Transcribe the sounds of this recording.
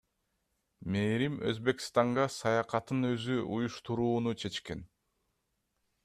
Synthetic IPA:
meːɾimø̞̰zbe̞kst̪ɑɴɢɑsɑjɑqɑt̪ɯnø̞zyʔujuʃt̪uɾuːnut͡ʃʰe̞t͡ʃke̞n

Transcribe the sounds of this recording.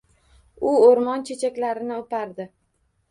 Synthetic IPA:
ʊoɾmɒnt͡ʃʰe̞t͡ʃʰakʲlaɾɪnɪopaɾd̪ɪ

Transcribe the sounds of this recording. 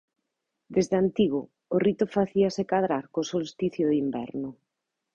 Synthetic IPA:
d̪ezðant̪iɣʊː | rit̪ʊfaθiasekað̞ɾaɾkosolst̪iθjʊðimbɛ̰ɾnʊ

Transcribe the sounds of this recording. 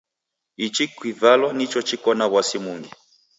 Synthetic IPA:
it͡ʃikwivalɔnit͡ʃɔt͡ʃikɔnaβwasimuŋɡi

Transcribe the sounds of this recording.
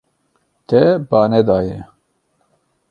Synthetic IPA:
t̪ɛbɑːnɛd̪ɑːjɛ

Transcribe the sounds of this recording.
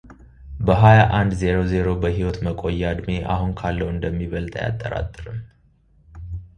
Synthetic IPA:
bəɦajaʔand̪ze̞ɾo̞ze̞ɾo̞bəɦiwɔt̪məkʼojːad̪meʔa̰ɦunkʰalːəwɨnd̪əmːiβəlt̪ʼəja̰t̪ʼːəɾa̰t̪ʼːɨɾɨmː

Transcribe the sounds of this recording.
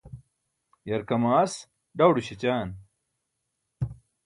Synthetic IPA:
jɐɾkɐmaːs | ɖawɖuɕit͡ɕaːn

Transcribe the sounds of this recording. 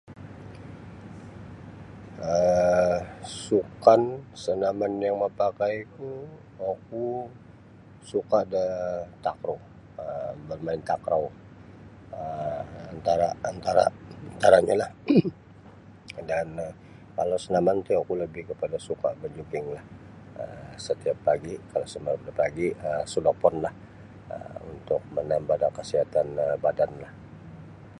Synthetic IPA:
ə | sukansənamanjaŋməpakajk̪u | ak̚u | sukadət̪akɾo | əbərmaɪnt̪akɾaw | əant̪aɾaːnt̪aɾa̰nt̪aɾaɲalah | dan | kalowsənamant̪ujakuləbɪhkəpadasuka̰bəd͡ʒukɪŋlah | əsət̪iapːaɡikalasəmapdapaɡiəsudapɔnlah | ə̰unt̪ʊk̚mənambadakəsiɦat̪anəbadanlah

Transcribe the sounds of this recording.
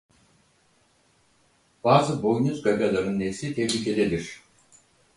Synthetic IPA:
b̥aːzɯbojnuzɡaɡalˠaɾɯnːefsit̪ʰɛvlʲiːkʰe̞d̪elʲiɾ̥

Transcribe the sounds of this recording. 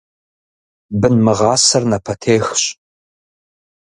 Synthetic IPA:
bɨnmɨʁɑːsɐrnɐpʰɐtʰeːxɕʼ

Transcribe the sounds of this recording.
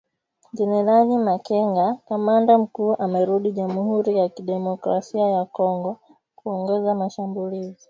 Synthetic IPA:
d͡ʒɛnɛɾanimakɛŋɡakamandam̩kuːʔamɛɾuɗiʄamuhuɾijakiɗɛmɔkɾasiajakɔŋɡɔ | kuɔŋɡɔzamaʃambulizi

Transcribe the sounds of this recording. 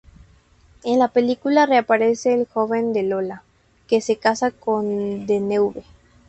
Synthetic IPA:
enlapelikulare̞apaɾese̞ːlxo̞βe̞nd̪e̞lo̞la | ke̞se̞kasako̞nd̪enewβe

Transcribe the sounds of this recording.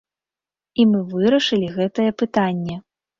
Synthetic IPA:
imɨvɨɾɐʂɨlʲiɣɛt̪ɐjɛpɨt̪anʲːɛ

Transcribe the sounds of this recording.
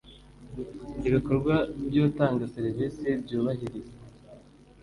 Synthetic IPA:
iβiko̞ɾɡwabjoːtaːŋɡaseɾivisebɟuːβaɦiɾize

